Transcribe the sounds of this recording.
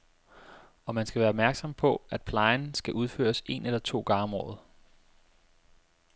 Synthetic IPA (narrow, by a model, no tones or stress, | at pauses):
ɒ̽mænsɡ̥æʋæːɐɒ̽b̚mæɐɡ̥sɒ̽mpʰɒ̽æd̥̚pʰlɑ̈ɪnsɡ̥æʔuð̞ˠfø̰ːɐse̝nelɐt͡sʰo̝̰ːɡ̥ɑ̈ːmɒ̰ːð̞̩ˠ